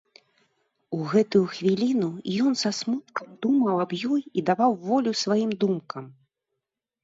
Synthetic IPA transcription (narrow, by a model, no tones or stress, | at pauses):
uɣɛt̪ujuxvʲilʲinujɔnsasmut̪̚kɐmd̪umɐwabjɔjid̪avawvɔlʲusvajimd̪umkɐm